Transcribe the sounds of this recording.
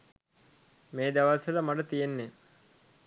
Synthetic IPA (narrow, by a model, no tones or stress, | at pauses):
meːd̪aʋasələmaʈət̪ijenːe